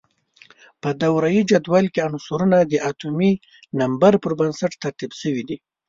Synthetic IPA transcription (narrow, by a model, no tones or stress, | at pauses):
pəd̪awɾajid͡ʒad̪walkeansuɾunad̪əʔat̪umi | nambaɾpəɾbansaʈt̪aɾt̪ibsəwid̪i